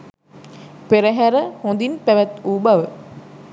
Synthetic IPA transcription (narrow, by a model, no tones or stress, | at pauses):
peɾəɦæɾəhõnd̪inpæʋæt̪uːbaʋə